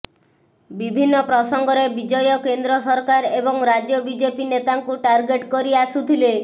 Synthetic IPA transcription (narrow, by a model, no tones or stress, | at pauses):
bibʱinːɔpɾɔsɔŋɡɔɾebid͡ʒɔjɔkend̪ɾɔsɔɾkaɾebɔŋɾad͡ʒjɔbid͡ʒepinet̪aŋkuʈaɾɡeʈkɔɾiasut̪ʰile